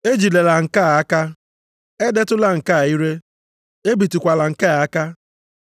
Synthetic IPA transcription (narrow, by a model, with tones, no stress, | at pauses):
e˦d͡ʒi˨le˨la˨ŋ̩˨ka˦˨a˦ka˦ | e˦de˦tʊ˦la˨ŋ̩˨ka˦a˨i˦ɾe˦ | e˦bi˨ti˨kʷa˨la˨ŋ̩˨ka˦˨a˦ka˦